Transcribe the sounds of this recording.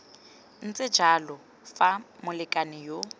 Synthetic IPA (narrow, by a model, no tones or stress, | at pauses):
n̩t͡sʼɪ̥d͡ʒalɔ | famʊlɪkʼanɪjo